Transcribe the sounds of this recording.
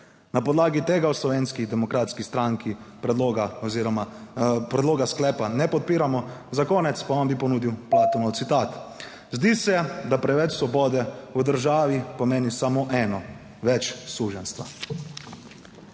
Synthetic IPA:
napɔd̪laːɡit̪eːɡawslɔʋeːnskid̪ɛmɔkɾaːt̪skist̪ɾaŋki | pɛoɡaɔziɾɔmapɾɛd̪loːɡasklɛːpanɛpɔt̪̚piːɾamɔzakɔːnɛt̪spaɔmbipɔnuːd̪iwplaːt̪ɔnɔwt̪sit̪aːt̪ | zd̪iːsɛd̪apɾɛʋɛt͡ʃsʋɔbɔːd̪ɛud̪əɾʒaːʋipɔmeːnisamoʔɛːnɔ | ʋɛt͡ʃsuːʒɛnst̪ʋa̰

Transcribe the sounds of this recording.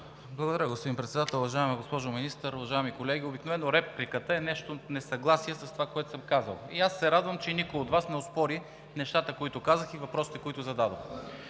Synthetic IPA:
blˠɐɡod̪ɐɾjəɡospod̪impɾɛt̪sɛd̪at̪ɛlˠʊvɐʒaɛmiɡospɔʒominist̪əɾʊvɐʒaɛmikolɛɡʲiobiknovɛnːoɾɛplikət̪əɛnɛʃt̪onɛsɐɡlˠasijɛsɐst̪ovakoɛt̪ʊ̥səmkazə̰lˠiasːɛɾad̪vɐmt͡ʃɛnikojod̪vasnɛospɔɾi | nɛʃt̪at̪əkoit̪ʊkazəxivɐpɾɔsi̥t̪ɛkoit̪ʊzɐd̪ad̪o̰x

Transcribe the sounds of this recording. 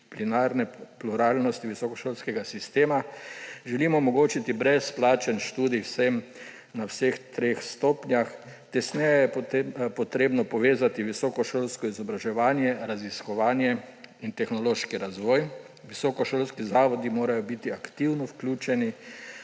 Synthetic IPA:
plinaːɾnɛpluɾaːlnɔst̪iʋisɔkɔʃoːlskɛɡasist̪eːmaʒɛlimɔːmɔɡoːt͡ʃit̪ibɾɛsplaːt͡ʃɛnʃt̪uːd̪iwsɛm | nawsext̪ɾexst̪oːpnjax | t̪ɛsnɛjɛjɛpɔt̪ɾeːbnɔpɔʋeːzat̪iʋisɔkɔʃoːlskɔizɔbɾaʒɛʋaːnjɛɾaziskɔʋaːnjɛint̪ɛxnɔloːʃkiɾazʋɔːj | ʋisɔkɔʃolskizaːʋɔd̪imoːɾajɔbit̪iakt̪iwnɔwklʲuːt͡ʃɛni

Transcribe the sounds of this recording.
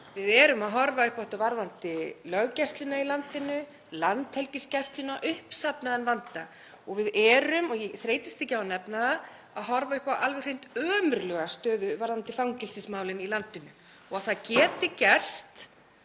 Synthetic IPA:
vɪðɛɾʏmaðɦɔɾvaʏhpawht̪avaɾðant̪ɪlœɣcɛst̪lɪnailant̪ɪnʏ | lant̪hɛlcɪscɛst̪lʏnaʔʏhpsapnaðɛnvant̪a | ɔɣvɪðɛːɾʏmɔɣjɛθɾeːjt̪ɪ̥st̪ɪcɪaanɛpnaa | aðɦɔɾvaʏhpawalvɛxrejn̥t̪œːmʏɾlœːɣast̪œːðʏvaɾðant̪ɪfawŋcɪlsɪsmaːwlɪnilant̪ɪnʏ | ɔɣaθacɛːt̪ɪcɛr̥st̪

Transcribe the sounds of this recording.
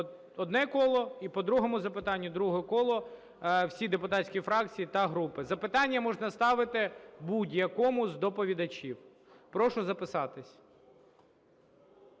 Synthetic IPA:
ɔd̪nɛkɔlˠɔipɔd̪ɾuɦɔmʊzɐpɪt̪ɑnʲːʊd̪ɾuɦɛkɔlˠɔ | wsʲid̪epʊt̪ɑtʲsʲkʲifɾɑk̚t͡sʲijit̪ɐɦɾupɪzɐpɪt̪ɑnʲːɐmɔʒnɐst̪ɑʋɪt̪ɪbudʲjɐkɔmʊzd̪ɔpɔʋʲid̪ɐt͡ʃʲiw | pɾɔʃʊzɐpɪsɑt̪ɪsʲ

